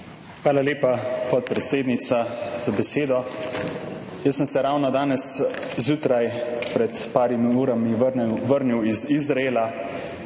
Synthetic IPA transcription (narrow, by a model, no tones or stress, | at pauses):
xʋaːlaleːpapɔt̪̚pɾɛt̪seːd̪nit̪sat̪obɛseːd̪ɔ | jəsːəmsɛɾawnɔd̪aːnɛszjuːt̪ɾajpɾɛt̪paːɾimiuːɾamiʋəɾniwizizɾaeːla